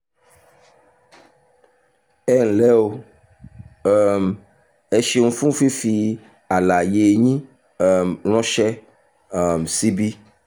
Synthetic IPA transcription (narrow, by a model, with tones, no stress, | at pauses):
ɛ˦ŋ̩˨lɛ˦wo˦ | ɛ˨m | e˨ʃi˨ŋ̩̃˦fũ˦fi˦fi˨ | a˨la˨je˨ɲĩ˦˨ | ml̃ɔ̃˦ʃɛ˦ | ɛ˨msi˦bi˦